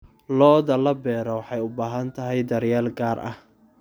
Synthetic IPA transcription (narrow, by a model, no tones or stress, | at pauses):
lɔːðɐlɐbɛːɾɔwɑħɑjʊbaːɦɐnt̪ʰɐɦɛjd̪ɐɾjaːlɡaːrʔɐ̰h